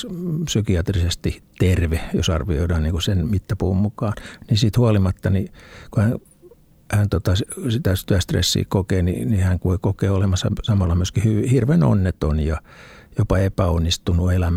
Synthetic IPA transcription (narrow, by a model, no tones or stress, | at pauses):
psykiɑt̪risest̪it̪erʋejo̰sɑrʋio̰idɑːnniːŋkusenmit̪ːæpuhummukɑːnnisit̪huɑlimɑt̪ːɑnikuhæn | hænt̪ot̪ɑssit̪æst̪yæst̪rḛsːḭːkokeːnḭnihæŋkoikokeːolemɑsːɑ̰sɑmɑlːɑmyæskihyʋhirʋeno̰nːet̪onjɑ | jopɑepæonːist̪unuelæm